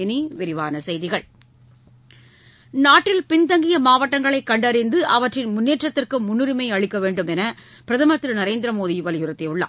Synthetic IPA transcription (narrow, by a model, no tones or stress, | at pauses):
ɪniʋɪɾɪʋaːnɐsɛjðɪɣɐɭ | naːʈːɪlpɪnd̪ɐŋɡɪjɐmaːʋɐʈːɐŋɡɐɭɐɪkːɐɳɖɐɾɪnd̪ɯʔɐʋɐʈrɪnmʊnːeːʈrɐt̪ːɪrkɯmʊnːɯɾɪmɐɪɐɻɪkːɐʋeːɳɖɯmɛnɐ | pɪɾɐðɐmɐt̪ːɾɯnɐɾeːnd̪ɪɾɐmoːðiʋɐlɪjʊɾɐt̪ːeɯɭːɐ̰ː